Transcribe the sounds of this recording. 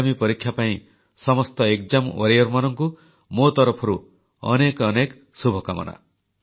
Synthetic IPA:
mipɔɾikʰjapaĩ | sɔmɔst̪ɔekd͡ʒamwɔɾijɔɾmanɔŋku | mot̪ɔɾɔpʰɔɾu | ɔ̰nekɔnek | subʱɔkamɔ̰na̰

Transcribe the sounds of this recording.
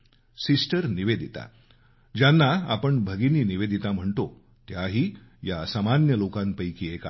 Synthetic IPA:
sisʈəɾniʋed̪ʱit̪a̰ | d͡ʑjanːaapəɳbʱəɡiniːniʋed̪ʱit̪am̤əɳt̪o | t̪jaɦiː | jasamanjəlokãnpəjkiːeka̰

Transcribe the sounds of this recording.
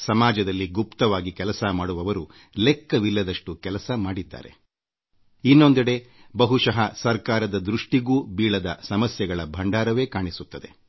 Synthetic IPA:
sɐmaːd͡ʒɐd̪ɐlːiɡupt̪ɐʋaːɡikɛlɐsɐmaːɽuʋɐʋɐɾu | lekːɐʋilːɐd̪ɐʂʈukɛlɐsɐmaːɽid̪ːa̰ːɾe̞̰ | inːo̞nd̪ɐɽe̞ | bɐɦuʃɐɦɐsɐɾkaːɾɐd̪ɐd̪ɾuʂʈiɡuːbiːɭɐd̪ɐsɐmɐsjɐɡɐɭɐbʱɐɳɖaːɾɐʋe̞ːkaːɳisut̪ːɐd̪e̞

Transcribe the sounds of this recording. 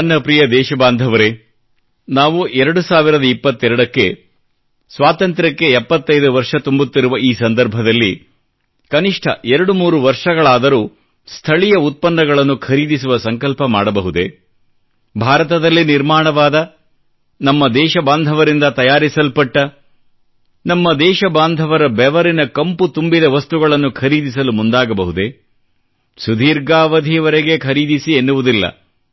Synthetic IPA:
ɐnːɐpɾijɐd̪ɛːʃɐbaːnd̪ʱɐʋɐɾe | naːʋuʔɛɾɐɽusaːʋiɾɐd̪ɐipːɐt̪ːɛɾɐɽɐkːe | sʋaːt̪ɐnt̪ɾɐkːe̞ɛpːɐt̪ːɐjd̪uʋɐɾʂɐt̪umbut̪ːiɾuʋɐiːsɐnd̪ɐɾbʱɐd̪ɐlːi | kɐniʂʈʰɐ̰ʔɛɾɐɽumuːɾuʋɐɾʂɐɡɐɭaːd̪ɐɾuː | st̪ʰɐɭijɐut̪̚pɐnːɐɡɐɭɐnːukʰɐɾiːd̪isuʋɐsɐŋkɐlpɐmaːɽɐbɐɦud̪e̞ | bʱaːɾɐt̪ɐd̪ɐlːiniɾmaːɳɐʋaːd̪ɐ | nɐmːɐd̪ɛːʃɐbaːnd̪ʱɐʋɐɾind̪ɐt̪ɐjaːɾisɐlpɐʈːɐ | nɐmːɐd̪ɛːʃɐbaːnd̪ʱɐʋɐɾɐbɛʋɐɾinɐkɐmput̪umbid̪ɐʋɐst̪uɡɐɭɐnːukʰɐɾiːd̪isɐlumund̪aːɡɐbɐɦud̪e̞ | sud̪ʱiːɾɡaːʋɐd̪ʱiʋɐɾeɡe̞kʰɐɾiːd̪isienːuʋud̪ilːɐ̰

